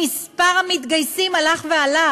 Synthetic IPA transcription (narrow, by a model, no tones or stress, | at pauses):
ispaʁhamit̪ɡajsimalaχveala